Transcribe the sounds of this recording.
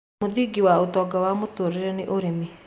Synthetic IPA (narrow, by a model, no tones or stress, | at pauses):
oðiɡiwaotɔːɡawamotoɾeɾɛneʔoɾeme